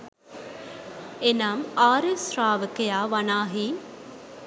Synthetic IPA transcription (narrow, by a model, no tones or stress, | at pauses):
enaːmaːɾesɾaːʋəkɐjaːʋɐnaːɦi